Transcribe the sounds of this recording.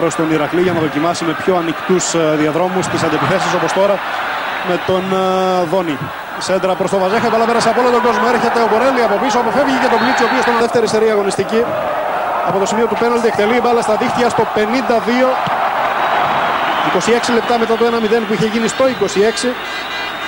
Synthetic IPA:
ɾost̪o̞niɾɐkliʝɐnɐðo̞cimɐsime̞pço̞ɐnikt̪usðiɐðɾo̞must̪isɐnd̪epiθe̞siso̞po̞st̪o̞ɾɐ | me̞t̪o̞nðo̞ni | sed̪ɾɐpɾo̞st̪o̞vɐzxɐt̪epɐlɐpeɐseɐpo̞lot̪oɡo̞zmoe̞ɾçe̞t̪e̞opoɾeliɐpo̞pisoɐpo̞fe̞vʝecet̪o̞blit͡siopiosoenɐðeft̪e̞ɾiseɾiɐɣo̞nist̪ici | ɐpo̞t̪o̞simio̞t̪upe̞nɐlt̪iekt̪e̞liːbɐlɐst̪ɐðixt̪jɐst̪o̞pe̞nind̪ɐðio̞ | iko̞sie̞ksile̞p̚t̪ɐme̞t̪ɐt̪oe̞nɐmit̪e̞npuiçe̞ʝinist̪o̞iko̞sie̞ksi

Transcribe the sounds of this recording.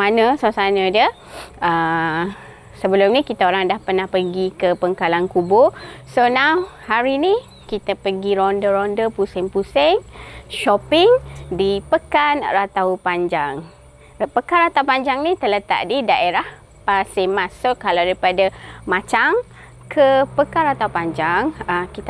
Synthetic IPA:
manə̃sasanə̃də | ə | səbəlʊmnikit̪aoɾaŋdahpərnahpəɡikəpəŋkalankubosonahaɾini | kit̪apəɡiɾɔndəɾɔndəpusɛŋpusɪŋʃɔpɪŋdipəkanrat̪aupaɲd͡ʒaŋ | pəkanrat̪aupaɲd͡ʒaŋnit̪ələt̪a̰ʔ̚didaʔeɾah | pasimãsːokalawdaɾipadamãt͡ʃaŋ | kʰəpəkanrat̪aupaɲd͡ʒaŋəkit̪

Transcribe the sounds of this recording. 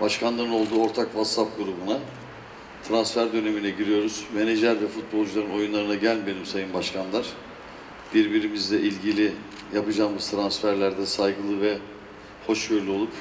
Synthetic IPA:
baʃkʰanlˠaɾɯno̞lˠd̪uːo̞ɾt̪ʰakvat̪sap̚ɡuɾubuna | t̪ʰɾansfæɾd̪ø̞ne̞minʲɛɟiɾijo̞ɾuz̥me̞ned͡ʒlʲæɾvɛfut̪̚bo̞lˠd͡ʒulˠaɾɯno̞junˠaɾɯnaɟælʲbe̞nimsajɯnbaʃkʰanlˠaɾ̥ | b̥iɾbiɾimizd̪ɛʔilʲɟilʲi | japɯd͡ʒaːmɯz̥t̪ʰɾansfæɾlʲæɾd̪ɛsajɡɯlˠɯvɛ | ho̞ʃbøɾlʲyo̞lˠup

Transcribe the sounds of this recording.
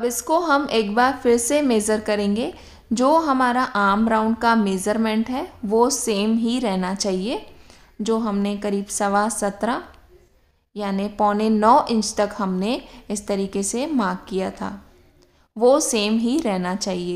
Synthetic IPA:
ɐbɪskoɦɐmeːkbaːɾfɪɾsemeːzəɾkɐɾẽːŋɡe | d͡ʒoːɦɐmaːɾaʔaːmɾãːʊ̃ɳɖkameːzəɾmɛ̃ɳʈɦɛʋoːseːmɦiɾɛɦnat͡ʃaːɦie | d͡ʒoːɦɐmnekɐɾiːbsɐʋasɐt̪ɾa | jaːnipɔːnenɔːʔɪ̃nt͡ʃt̪ɐkɦɐmneɪst̪ɐɾiːkesemãːɡ̚kijat̪ʰa̰ː | ʋoːseːmɦiɾɛɦnat͡ʃaːɦieː

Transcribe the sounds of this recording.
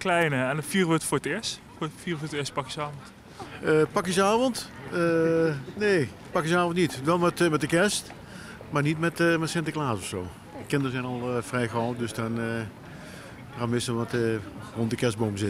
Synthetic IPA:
klɛjnəɛnfiːrʋətfʊːɹətɪːstffiːrfʊːɹətɪːstpɑkisəaːvɔnt | əpɑkizəaːvɔntəneː | pɑkizəaːvɔntnitʋɛlˠmɛtmɛtdəkɛst | maːɹnitmɛtmɛtsɛntəklaːsɔfsoː | əkɪndəɹzɛjnɑlˠəvrɛjχɔwtdøsdɔnə | ramɪsʋɑtərɔntdəkɛs̚boːmzɪt

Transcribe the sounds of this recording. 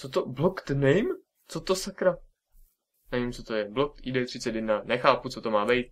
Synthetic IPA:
t͡sot̪oblokt̪nɛm | t͡sot̪osakɾa | nɛvimt͡sot̪o̞jɛblok̚t̪idɛt̪r̥ɪt͡sɛt̪jɛd̪nanɛxaːput͡sot̪o̞maːbɛjt̪̚

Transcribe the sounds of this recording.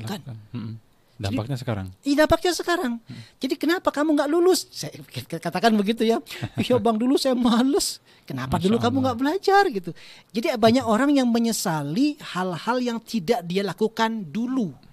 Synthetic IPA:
kan | dadiak̚ɲasəka̰ɾa̰ŋidampak̚ɲasəkaɾaŋd͡ʒadikənapakamuŋɡaʔlulʊssajakat̪akanbəɡit̪ujapihobaŋdulusajamalʊs | kənapadulukamuŋɡaʔbəlad͡ʒarɡit̪ud͡ʒadiabaɲakoɾaŋjaŋməɲəsalihalhaljaŋt̪ʰidaʔdialakukandulu

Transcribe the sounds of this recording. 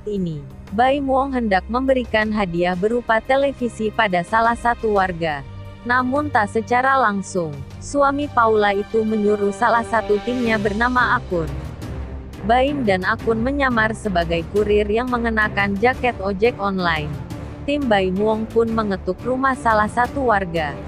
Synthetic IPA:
ini | baimuɔŋɦəndak̚məmbəɾikanɦadiahbəɾupat̪elefisipadasalahsat̪uwarɡa | namʊnt̪asət͡ʃaɾalaŋsʊŋ | suamipaulait̪uməɲuɾuhsalahsat̪ut̪imɲabərnamaːkʊn | baimdanakʊnməɲamarsəbaɡajkuɾɪrjaŋməŋənakand͡ʒakɛt̪ɔd͡ʒɛkɔnlain | t̪imbaimuɔŋpʊnməŋət̪uk̚rumahsalahsat̪uwarɡa

